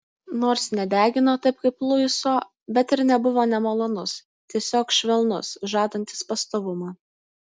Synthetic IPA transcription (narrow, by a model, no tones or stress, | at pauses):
noːɾsnʲɛd̪ʲæːɡʲɪnoːt̪ɐɪp̚kɐɪplˠʊjʊsoː | bʲɛt̪ɪɾnʲɛbʊʋoːnʲɛmolˠoːnʊs | t̪ʲiɛsʲoːkʃʲʋʲɛlˠnʊ̰sʒɑːd̪ɐnʲt̪ʲɪ̥spɐst̪oːʋʊmɑː